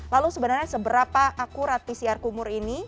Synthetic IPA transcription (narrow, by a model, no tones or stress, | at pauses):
lalusəbənarɲasəbəɾapaʔakuɾat̪̚pisiarkumʊɾini